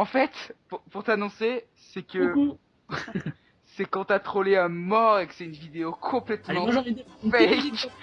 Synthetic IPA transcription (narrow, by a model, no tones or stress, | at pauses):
ɑ̃fɛt̪puʁpuʁt̪anɔ̃se | sɛkə | sɛkɑ̃t̪yat̪χoleãmɔʁekə̥sɛynvid̪eokʰɔ̃plɛt̪m̃ɑ̃ifɛjk